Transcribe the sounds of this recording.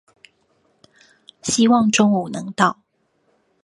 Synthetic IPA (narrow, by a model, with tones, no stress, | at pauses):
ɕi˥wɑ˥˨ŋʈ͡ʂʊ˥ŋu˨˩nɤ˨˦ŋt̪ɑ˥˨ʊ